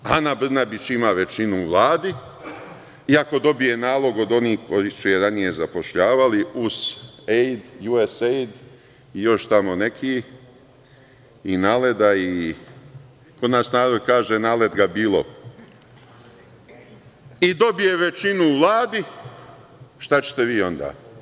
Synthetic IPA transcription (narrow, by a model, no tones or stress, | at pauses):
anabr̩nabit͡ʃimaʋe̞t͡ʃinuːʋlˠaːd̪i | iako̞d̪o̞bije̞naːlˠo̞ɡo̞d̪o̞niːhkʰo̞jisujeɾanije̞zapo̞ʃʎaːʋaliuz̥ejd̪juesejd̪ | ijo̞ʃt̪amo̞ne̞kʰiː | inaːled̪ai | ko̞d̪naːsnaːɾod̪kaːʒenaːled̪ɡabiːlˠo̞̰ | id̪o̞bije̞ʋe̞t͡ʃinuːʋlˠaːd̪i | ʃt̪at͡ɕe̥t̪e̞ʋiːo̞nd̪a̰ː